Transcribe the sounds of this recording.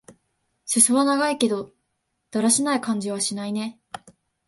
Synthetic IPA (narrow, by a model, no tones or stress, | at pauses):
ɕesoβanaɡaike̞d̪o̞ | d̪̥aɾaɕinaikãɲ̟d͡ʑiβ̞aɕinaine̞